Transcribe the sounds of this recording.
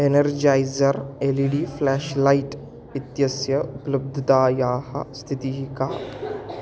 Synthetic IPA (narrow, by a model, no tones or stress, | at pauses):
enɐɾd͡ʒaːjzɐɾeliɖiːflɛːʃlaiʈ | it̪jɐsjɐuplɐb̚d̪ʱd̪aːjaːhɐ̰st̪ʰit̪iɦikaː